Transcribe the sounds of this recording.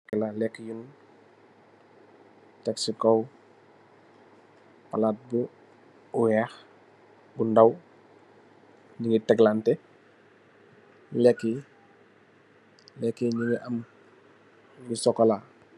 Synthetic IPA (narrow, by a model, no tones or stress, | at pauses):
kɛlalɛkːjun | tɛksikɔw | palat̚bu | uwɛːx | bundɐw | ɲiŋɡitɛɡlantɛ | lɛkːi | lɛkːiɲiŋiʔɐm | ɡisɔkːɔla